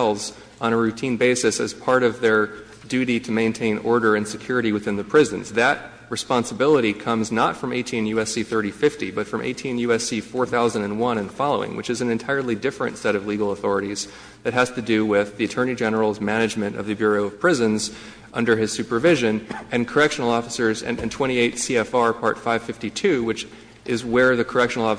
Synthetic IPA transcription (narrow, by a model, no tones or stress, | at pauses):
lˠz | ʔnəɹʉtʰĩnbeɪsɨsɨ̰z̥pʰɑɹɾʌvðə˞ | dʉɾiɾɨmẽɪ̃ntʰẽɪ̃nɔ̰ɹɾə˞ɨ̃nsɨkʰj̥ʊɹɨɾiwɨθɪ̃nðɨpʰɹ̥ɪzɨ̃nzðɨt̚ | ɹɨspɑ̃nsəbɪlˠəɾikʰʌ̃mznətfɹʌ̃meɪtʰĩnjʉɛsiθɜ˞ɾifɪftibʌtfɹʌ̃mʔḛɪtʰĩnjʉɛsifɔɹθaʊzɨ̃n̩dɨ̃nwʌ̃nɨ̃nfɑlˠoʊɪ̰̃ŋwɨt͡ʃɨzn̩ɨ̃ntʰaɪə˞lˠidɪfɹɨ̰̃ntsɛɾʌvliɡl̩ˠəθɔɹɨɾiz̥ | ðɨt̚ɦɨz̥tɨdʉwɪðiɨtʰɜ̃˞ñid͡ʒɛnə˞l̩ˠzmæñɨd͡ʒmɨ̃ñtʌ̰vðɨbjʊɹoʊʌv̥pʰɹ̥ɪzɨ̃nz | ʔʌ̃ndə˞ɨz̥sʉpə˞vɪʒɨ̃nɨ̃nkʰə˞ɛkʃɨn̩l̩ˠɔfə̥sə˞zɨ̰̃nɨ̃ntʰw̥ɛ̃ɾ̃ieɪtsiɛfɑɹpʰɑɹtfaɪv̥fɪftitʰʉwɨt͡ʃ | ʔɪzwə˞ðɨkʰə˞ɛkʃn̩l̩ˠɔ